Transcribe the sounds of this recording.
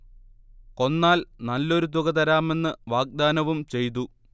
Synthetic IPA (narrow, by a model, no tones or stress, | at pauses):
ko̞nːaːlnɐlːo̞ɾut̪uɣɐt̪̬ɐɾaːme̞nːɨʋaːɡ̚d̪aːnɐʋumt͡ɕe̞jt̪̬u